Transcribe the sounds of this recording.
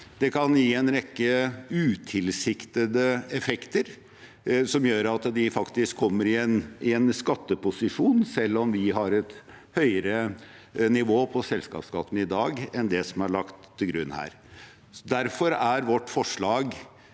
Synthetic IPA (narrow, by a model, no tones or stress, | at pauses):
d̪̥ɛkʰɑnjiːɛnɾɛkːəʉːt̪ʰɪlsɪkt̪əd̪əɛfɛkt̪əɾ | sɔmjøːɾɑt̪d̪ɪfɑkt̪ɪskʰːɔmːəɾɪɛnɪɛnskɑt̪ːəpʊsɪʂuːnsɛlːɔmʋɪɦɑɾɛt̪ | hœʏəɾə | nɪʋoːpʰɔsɛlskɑ̰ːpskɑ̰t̪ːn̩ɪd̪ɑːɡɛnd̪ɛsɔmæɭɑkt̪ʰːɪlɡɾʉnːhæ̰ːɾ | d̪æɾfɔɾæɾʋɔʈːfɔʂɭɑːɡ